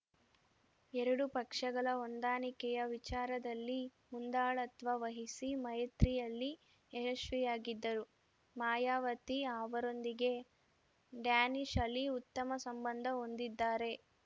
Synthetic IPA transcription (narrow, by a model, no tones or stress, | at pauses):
ɛɾɐɽupɐkʂɐɡɐɭɐond̪aːnikɛjɐʋit͡ʃaːɾɐd̪ɐlːi | mund̪aːɭɐt̪ʋɐʋɐɦisimɐjɐt̪ɾijɐlːi | eɦɐʃʋɛjaːɡid̪ːɐɾu | maːjaːʋɐt̪iaːʋɐɾo̞nd̪iɡe̞ | ɖjaːniʂɐlːiut̪ːɐmɐsɐmbɐnd̪ʱɐo̞nd̪id̪ːaːɾe̞